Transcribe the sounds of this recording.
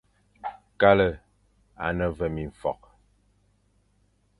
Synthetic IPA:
ka˦lə˨ | a̰˨nə˦˨və˦˨mi˨ɱ˨fɔ̰˨k̚

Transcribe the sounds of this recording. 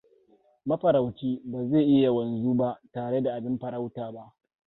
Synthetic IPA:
mɐ˦ɸɐ˨ɾa˨wt͡ʃʲiː˦baː˨zeː˦˨ʔɪ˦ja˨wɐ˨nzuː˦ba˦ʔtaː˨ɽe˦da˨ʔa˨bɪ˦mɸɐ˨ɾa˦wtaː˨ba˦ʔ

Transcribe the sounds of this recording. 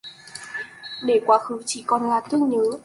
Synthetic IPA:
ɗe˧˩kwaː˨˦xɨ˨˦t͡ɕi˧˩kɔ˨˩nlaː˨˩t̪ɨ˦˥əŋ̚ɲəː˨˦

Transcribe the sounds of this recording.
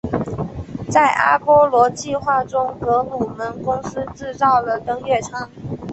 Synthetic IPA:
t͡sa˥˩ɪʔa̰˥pwɔ˥lwɔ˧˥t͡ɕi˥˧xwa˥˩ʈ͡ʂʊ˥ŋkɤ˧˥lu˨˩mə˧˥nkʊ˥ŋsɹ̩˥ʈ͡ʂɻ̩˥˧t͡sɑ˥˩ʊlə˩t̪ɤ˥ŋɥɛ˥˩ʈ͡ʂʰɑ˥ŋ

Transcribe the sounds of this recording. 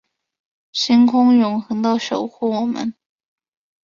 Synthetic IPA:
ɕi˥ŋkʰʊ˥ŋjʊ˧˥ŋxɤ˧˥ŋd̪ɑ˥˩ʊʂo˨˩ʊxu˥˩wɔ˨˩mə̰˧˦n

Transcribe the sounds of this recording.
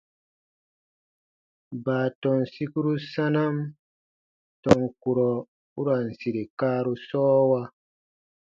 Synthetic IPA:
baː˨tɔ˨nsi˦ku˦ɾu˦sa˦na˦m | tɔ˨ŋku˨ɾɔ˨ | u˦ɾa˨n˨si˨ɾi˨kaː˦ɾu˦sɔː˦wa˦

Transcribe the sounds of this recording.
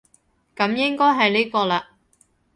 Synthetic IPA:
kɐ˨˧˥mjɪ˥ŋkɔː˥jɦɐ˨jli˥kɔː˧laː˧

